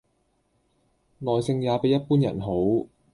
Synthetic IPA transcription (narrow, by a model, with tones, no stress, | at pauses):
lɔː˨jsɪ˧ŋjaː˨˧pe˨˥jɐ˥t̚puː˥njɐ̰˨˩nɦo˨˥w